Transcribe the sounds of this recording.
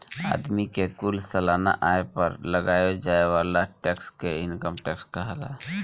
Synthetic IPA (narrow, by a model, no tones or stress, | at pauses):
a̰ːd̪mikekʊlsəlaːna̰ʔaːepəɾləɡaːjod͡ʒaːeʋaːlaʈɛːkskeɪnkəmʈɛːkskaɦɛla̰